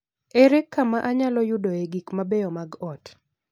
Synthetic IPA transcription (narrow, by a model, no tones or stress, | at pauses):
eɾekʰːamaʔaɲalɔjʊdɔeɡikmabejɔmaɡɔt